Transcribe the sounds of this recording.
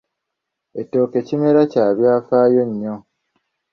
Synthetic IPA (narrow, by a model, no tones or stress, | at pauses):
etːo̞ːke̞cime̞ɾacaːβjaːfaːjo̞ɲːo̞